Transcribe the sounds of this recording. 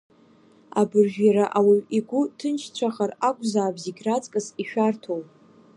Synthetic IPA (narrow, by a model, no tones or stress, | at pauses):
a̰bɨrʒᶣjaɾaʔawiiɡʷʊtʰɨnt͡ʃʰt͡ɕʷʰaχarakʷʼzaːbziɡʲrat͡sʼkʼɨsiʃᶣartʰow